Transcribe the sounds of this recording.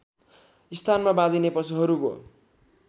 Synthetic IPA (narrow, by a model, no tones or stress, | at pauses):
ist̪ʰanmabãd̪inepʌsuɦʌɾuɡo̰